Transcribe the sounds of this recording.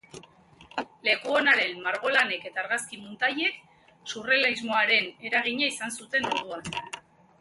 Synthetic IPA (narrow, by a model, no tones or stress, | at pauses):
le̞kuo̞naɾe̞nmaɾɣ̞o̞lane̞ke̞t̪aːɾɣaskimunt̪aje̞k | surelaizmo̞aɾe̞ne̞ɾaɣ̞iɲaisansut̪e̞nuðuan